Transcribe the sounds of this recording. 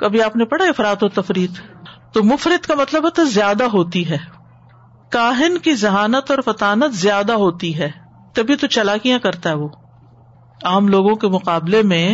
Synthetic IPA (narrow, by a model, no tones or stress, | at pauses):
kɐbʱiaːpnepɐɽaɪfɾaːt̪ot̪ɐfɾiːt̪ː | omʊfɾɪd̪kamɐt̪ləbɦɛt̪zjaːd̪aɦoːt̪iɦɛː | kaːɦɪnkizɐɦaːnət̪ɔːɾfɐt̪aːnət̪zɪjaːd̪aɦoːt̪iɦɛː | t̪ɐbʱit̪ot͡ʃɐlaːkijãkɐɾt̪aɦɛʋoː | aːmloːɡõkemʊqaːblemẽ